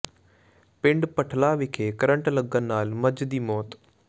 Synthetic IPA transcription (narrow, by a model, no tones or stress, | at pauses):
pɪ̃ɳɖpəʈʰlaːʋɪkʰeːkəɾəɳʈləɡənːaːlməd͡ʒd̪iːmɔːt̪